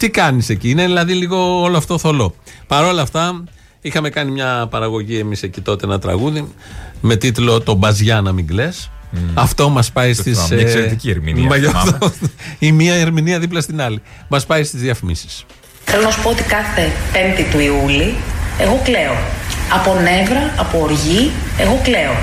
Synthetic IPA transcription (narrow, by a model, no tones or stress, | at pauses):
t̪ikɐnise̞ciːneðilɐðiliɣo̞oloɐft̪oθo̞lo̞pɐɾo̞lɐft̪ɐ | ixɐme̞kɐnimɲɐpɐɾɐɣo̞ʝie̞mise̞cit̪o̞t̪e̞nɐt̪ɾɐ̰ɣuðime̞t̪it̪lo̞t̪o̞bɐzʝɐnɐmiŋɡle̞s | ɐft̪o̞mɐspɐjst̪iskseɾet̪icieɾmḭnḭmɐʝoft̪oimiɐeɾminiɐðiplɐst̪inɐli | mɐspɐjst̪izðiɐfimisi̥s | θelo̞nɐsu̥poot̪i̥kɐθe̞pe̞nt̪it̪uiulie̞ɣo̞kle̞oɐpo̞ne̞vɾɐɐpo̞ːɾʝi | e̞ɣo̞kle̞o